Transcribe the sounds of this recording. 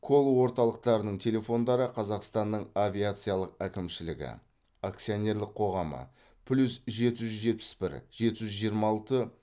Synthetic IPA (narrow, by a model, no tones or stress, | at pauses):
kʰo̞lˠowo̞ɾt̪ɑlˠəq̚t̪ɑɾənəɴt̪ʲʰe̞lʲe̞fo̞nd̪ɑɾəqʰɑzɑqst̪ɑnːəɴavʲijat̪sɨjalˠəq̚ækʲɪmʃɪlɪɡʲɪ̰ | akt̪sijo̞nʲe̞rlɪqʰo̞ʁɑmə̰ | pʰlʲusʒe̞t̪ɪʒʏzʒe̞t̪̚pɪ̥spɪ̰ɾʒ̥e̞t̪ɪʒʏzʒijəɾmɑɑlˠt̪ə